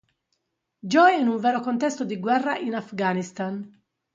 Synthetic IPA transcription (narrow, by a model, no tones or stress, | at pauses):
d͡ʒɔjinuɱvɛːɾokont̪ɛst̪od̪iɡwɛrːaʔinafɡaːnist̪an